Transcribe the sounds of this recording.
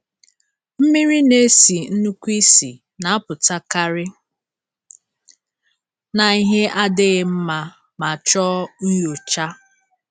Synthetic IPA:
m̩˦mi˦ɾi˦ne˦si˨n̩˦nu˦kʷi˦sḭ˨ | na˨a˦pʊ˨ta˦ka˦ɾɪ˦ | na˨i˦ɦe˦ʔa˦dɪ˦ɣɪ˦m̩˦ma˦ | ma˨t͡ʃɔ˦n̩˦jo˨t͡ʃa˦

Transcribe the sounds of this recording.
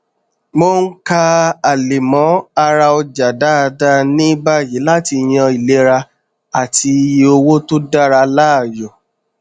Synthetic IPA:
mo˦n̩˦ka˧a˨le˨mɔ̃˨˦a˧ɾa˧ɔ˧d͡ʒa˨da˦a˧da˦nĩ˦ba˦˨ji˨˦la˦ti˧˨j̃ɔ̃˧i˨le˨˦ɾa˧ | a˨tʰi˧˦o˧wo˦to˦da˦ɾa˧la˦a˦˨jɔ˨

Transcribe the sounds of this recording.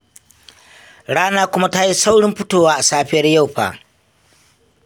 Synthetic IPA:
ɽaː˦naː˦kʷʊ˦ma˦ta˦ji˦sa˦wɽɪ˦mɸʊ˦toː˦˨waː˦ʔa˨saː˦ɸɪ˦jɐ˦rja˦˨wɸa̰ː˨

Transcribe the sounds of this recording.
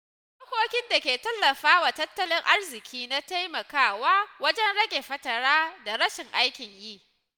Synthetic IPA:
ma˦kʷoː˦kʲɪ˦nda˨kʲeː˨tɐ˦lːɐ˨ɸaː˦wa˨tɐ˦tːɐ˦lɪ˦ŋʔa˦rzɪ˨kʲiː˦na˦ta˦jmɐ˨kaː˦waː˦wɐ˦d͡ʒɛ˦nɽɐ˦ɡʲʼe˨ɸɐ˦tɐ˨ɽaː˦da˨ɾɐ˦ʃɪ˨ŋʔa˦jkʲɪ˨ɲjiː˦˨ʔ

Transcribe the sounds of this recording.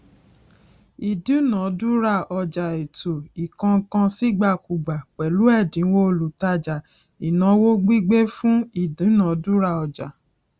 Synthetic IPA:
i˨du˨˦nã˨˦du˦ɾa˦˨ɔ˧˨d͡ʒa˨e˨to˨i˨kã˧˦kã˧si˦ɡ͡ba˦˨ku˨ɡ͡ba˨k͡pɛ˨lu˨˦ɛ˦˨dĩ˨˦wo˦o˧˨lu˨ta˧d͡ʒa˨ | i˨nã˧˦wo˦ɡ͡bi˦ɡ͡be˦fũ˦i˦˨dũ˨˦nã˨˦du˦ɾa˦˨ɔ˧d͡ʒa˨

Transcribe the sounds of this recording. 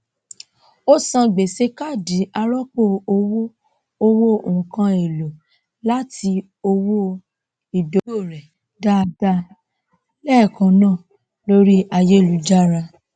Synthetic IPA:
o˦sã˧ɡ͡be˨se˨˦ka˦˨di˨˦a˧ɾɔ˦k͡po˦˨o˧wo˦ | o˧wo˦o˨ũ˨kã˧˦e˨lo˨ | la˦ti˧ | o˧wo˦ | i˨do˨˦o˦˨ɾɛ˨ | da˦˧da˦ | lɛ˦˨kã˧nã˦˨ | lo˦ɾi˦a˧je˦˨lu˨˧d͡ʒa˦ɾa˧

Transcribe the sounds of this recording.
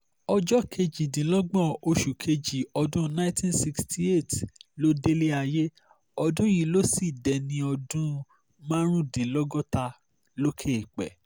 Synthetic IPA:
ɔ˧d͡ʒɔ˦kʰe˧d͡ʒi˨dĩ˨˦lɔ˦ɡ͡bɔ̃˦˨o˧ʃu˨kʰe˧d͡ʒi˨ɔ˧dũ˦nã˦j̃tʰĩ˦nsi˧kstʰi˦e˦˨tlo˦de˦le˦a˧je˦ | ɔ˧dũ˦ji˦˨lo˦si˦˨dɛ˨nĩ˧ɔ˧dũ˦ | mã˦ɾ̃ũ˦dĩ˨lɔ˦ɡɔ˦ta˧ | lo˦kʰe˦˨k͡pɛ̰˨

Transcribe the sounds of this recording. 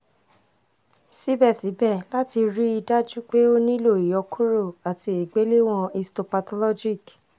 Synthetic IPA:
si˦bɛ˦˨si˨˦bɛ˦˨la˦ti˧ɾi˦i˧da˦d͡ʒu˦k͡pe˦o˦nĩ˦lo˦˨i˨jɔ˨˧kʰu˦ɾo˦˨a˨tʰi˧i˨ɡ͡be˨˦le˦w̃ɔ̃˧i˧sto˨pa˧tɔ˧lɔ˦d͡ʒi˦˨k

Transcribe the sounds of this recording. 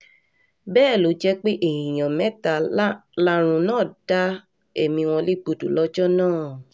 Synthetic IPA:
bɛː˦˨lo˨˦d͡ʒɛ˦k͡pe˦ʔe˦˨jĩ˨j̃ã˨mɛ̃˦ta˨la˦ɾ̃ũ˧nãː˦˨d̥a˦ | e˦˨mĩ˧w̃ɔ̃˧le˦k͡po˧du˨lɔ˦d͡ʒɔ˦nãː˦˨

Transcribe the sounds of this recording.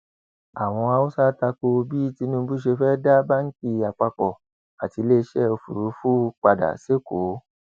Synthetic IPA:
a˨w̃ɔ̃˧a˧u˦sa˦ta˧ko˧bi˦ti˧nũ˦bu˦ʃe˧fɛ˦da˦ba˦ŋ̩˦ki˧a˨k͡pa˧kɔ˨ | a˨ti˧le˦ʃɛ˦o˧fu˨ɾu˨˦fu˦˧k͡pa˧da̰˨se˦ko˨˦

